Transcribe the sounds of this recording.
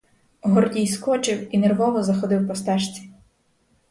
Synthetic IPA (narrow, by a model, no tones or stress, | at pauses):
ɦɔrdʲijskɔt͡ʃɪwinerʋɔʋɔzɐxɔd̪ɪwpɔst̪ɛʃt͡sʲi̥